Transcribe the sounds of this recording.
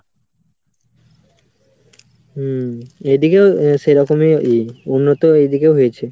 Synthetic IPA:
ed̪ikeoʃejɾɔkomeiunːot̪oejd̪ikeoɦojet͡ɕʰe

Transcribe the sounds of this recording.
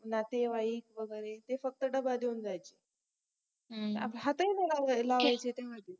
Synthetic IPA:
nat̪eʋaik̚ʋəɡəjɾet̪efək̚t̪əɖəbad̪eund͡zajt͡ɕe | t̪əa̰pəɳɦat̪əinelalaʋajt͡ɕet̪eɦad̪i

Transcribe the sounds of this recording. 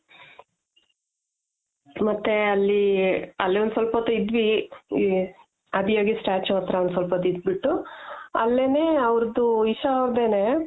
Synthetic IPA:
mɐt̪ːeɐlːiɐlːiond̪sʋɐlpɐt̪ːuid̪ʋi | ɐbijoːɡisʈaːɾt͡ʃɐt̪ɾɐɐnd̪sʋɐlpɐt̪id̪biʈːuɐlːeneːɐʋɾd̪uiʃɐɾd̪eːne

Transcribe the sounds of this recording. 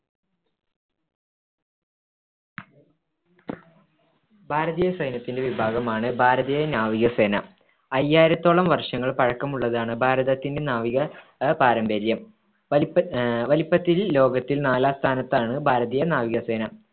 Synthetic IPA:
bʱaːɾɐðijɐsɐjnɐt̪ːinde̞ʋibʱaːɡɐmaːɳɨbʱaːɾɐðijɐnaːʋiɣɐse̞ːnɐ̰ | ɐjːaːjiɾɐt̪ːoɭɐmʋɐrʂɐŋːɐɭpɐɻɐkːɐmuɭːɐðaːɳɨbʱaːɾɐðɐt̪ːinde̞naːʋiɣɐ | paːɾɐmbeɾjɐm | ʋɐlipːɐt̪ːilːo̞ːɡɐt̪ːilnaːlaːst̪ʰaːnɐt̪ːaːɳɨbʱaːɾɐðijɐnaːʋiɣɐse̞ːnɐ

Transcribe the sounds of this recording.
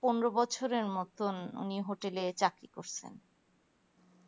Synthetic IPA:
poneɾobɔt͡ɕʰoɾeɾmɔt̪ʰonṵniɦoʈelet͡ɕakɾikoɾt͡ɕʰḛn

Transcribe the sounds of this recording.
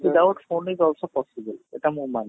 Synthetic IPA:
bid̪awʈfonizɔlsopɔsibəlḛʈamuman

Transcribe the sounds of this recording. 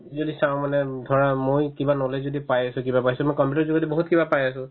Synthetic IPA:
zodisãʊ̃manɛdʱɔɹamojkibanɔlezodipajasʊ̃kibapajsɛmojkɔmpjutɔɹzuɡɔtiboɦutkibapajasʊ̃

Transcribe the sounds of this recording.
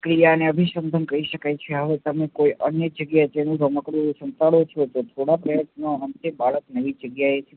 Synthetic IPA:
kɾijaəneəbʱiʃənd̪ʱənkəiʃəkajt͡ʃʰeɦəʋet̪əmekoijʔənjəd͡ʒəɡjaed͡ʒenũɾʱoməkɾunũsənt̪aɭot͡ʃʰot̪ot̪ʰoɽapɾəjət̪naənt̪ebaɭəknəʋid͡ʒəɡjaet͡ʃʰe

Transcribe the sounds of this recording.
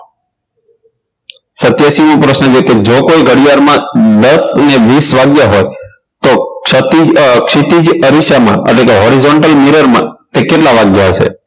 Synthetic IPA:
sət̪jaʃimõpɾəsnət͡ʃeked͡ʒokoiɡʱəɽijaɾmãd̪əsəneʋisʋaɡjaɦoj | t̪ot̪ikʃit̪id͡ʒəɾiʃamã̰ʔə̰ʈlekeɦoɾizoɳʈəlmiɾəɾmã̰t̪ekeʈlaʋaɡjaɦət͡ʃʰḛ

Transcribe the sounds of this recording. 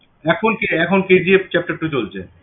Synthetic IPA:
ɛkʰonkeɛkʰonked͡ʑiept͡ɕɛp̚ʈaʈːut͡ɕolt͡ɕʰḛ

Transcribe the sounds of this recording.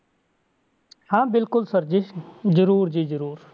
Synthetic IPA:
hãːbɪlkʊlsəɾd͡ʒizəɾuːɾd͡ʒiːd͡ʒəɾuːɾ

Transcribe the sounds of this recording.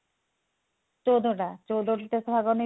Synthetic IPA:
t͡ɕowd̪ʱoʈat͡ɕowd̪ʱoʈit̪esbʱaɡoni

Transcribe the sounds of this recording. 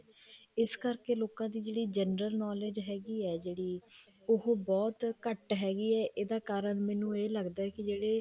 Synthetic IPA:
ɪskəɾkeːloːkãːd̪iːd͡ʒeːɽiːd͡ʒɛnɾəlnɔːleːd͡ʒɦɛːɡiːɛːd͡ʒeːɽiː | ʊɦbɔːt̪kəʈɦɛːɡiːɛːʔeːd̪aːkaːɾəɳmɛ̃ːnũːeːləɡd̪aːɛkɪd͡ʒeːɽeː

